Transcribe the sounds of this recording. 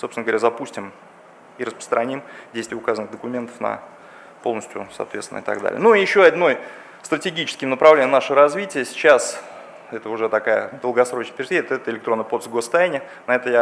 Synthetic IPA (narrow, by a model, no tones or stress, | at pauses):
sopsɪnɡəvɾʲazɐpusʲtʲɪm | iɾəspɾə̥st̪ɾɐnʲimdʲejst̪vʲɪʊkazənɨɣd̪əkʊmʲe̞nt̪ə̥fnɐ̰ | po̞lˠnəsʲtʲjʊ̰sɐ̰t̪vʲet̪sʲɪnəɪt̪a̰ɡ̚d̪a̰lʲɪ̰ə̰nujɪɕːoɐd̪ʲno̞j | st̪rətʲɪɡʲit͡ɕɪskʲɪmnəpɾɐvlenʲəmnaʂəvəɾɐzvʲitʲɪjəsʲɪ̥t͡ɕas | ɛt̪əʊʐɛt̪ɐkajə̰d̪əlˠɡɐsɾo̞t͡ɕnəpʲɪɾʲt̪əɛt̪əɪlʲɪkt̪ɾo̞nːɨjpo̞t̪st̪ɡost̪ɐjanʲɪ | nɐɛt̪əja